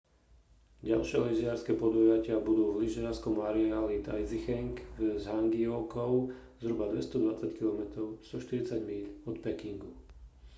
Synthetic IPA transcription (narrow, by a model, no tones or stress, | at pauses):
ɟa̰lʃɪɛliʒɪaɾskɛpɔd̪ɔjacɪabud̪uːvliʒɪaɾskɔmaɾialit̪a̰jzixɛŋkzɦaŋɡiɔkɔʊ | zɦɾubad̪ʋɛst̪ɔd̪ʋat͡sackilɔmɛt̪ɾɔʊst̪ɔʃt̪iɾit͡saɟmiʎɔt̪pɛkiŋɡu